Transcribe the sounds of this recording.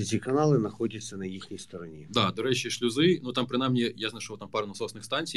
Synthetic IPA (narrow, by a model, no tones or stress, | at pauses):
tʲikɐnalˠɨnɐxɔdʲɐsʲːɐnɐjixnʲijst̪ɔɾɐnʲid̪ad̪ɔɾɛt͡ɕiʃlʲʊzɪnut̪ampɾɨnajmnʲijaznɐʃɔʋt̪ampɑɾnɐsɔsnɪxst̪ɑnʲt͡sʲij